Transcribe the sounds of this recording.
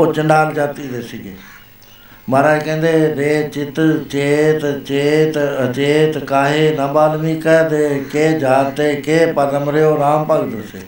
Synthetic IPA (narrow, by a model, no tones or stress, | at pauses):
ot͡ʃəɳɖaːld͡ʒaːt̪iːd̪eːsɪɡeː | məɾakɛ̃ːnd̪eːɾeːt͡ʃɪt̪t͡ʃeːt̪t͡ʃeːt̪ət͡ʃeːt̪kaːɦeːnəbaːd̪miːkɛd̪eːkeːd͡ʒaːt̪ːeːkeːpəd̪əmɾeːoːɾaːmpəɡd̪əsḛː